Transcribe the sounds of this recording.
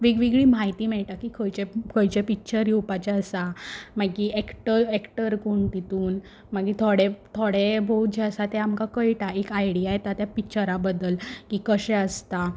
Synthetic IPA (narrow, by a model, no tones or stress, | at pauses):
ʋiɡʋiɡɭiːmaɦit̪iːmɛɭʈ̪akikʰəjt͡ɕekʰəjt͡ɕepik̚t͡ɕəɾjuwpat͡ɕaəsamaɡiɛkʈəɾekʈəɾkoɳt̪it̪uːn | maɡit̪ʰoɽet̪ʰoɽebʱowd͡ʑeəsat̪ɛamkakəjʈaekajɽijajt̪at̪japikt͡ɕəɾabəd̪əlkiːkəɕɛ̃əst̪a